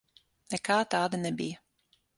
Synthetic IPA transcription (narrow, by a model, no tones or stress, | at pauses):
nɛkaːt̪aːd̪anɛbijɐ